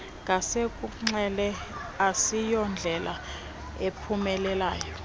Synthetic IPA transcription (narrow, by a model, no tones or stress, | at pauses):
ŋʱasekʼuŋ͡ǀɛlɛ | asijɔnd͡ɮʱɛlʔa̰ | epʰumɛlɛlaːjɔ